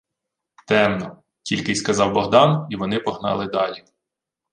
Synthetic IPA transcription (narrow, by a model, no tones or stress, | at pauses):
t̪ɛmnɔ | tʲilʲkɪjskɐzɑwbɔɦd̪ɑniʋɔnɪpɔɦnɑ̰lˠɪd̪ɑlʲi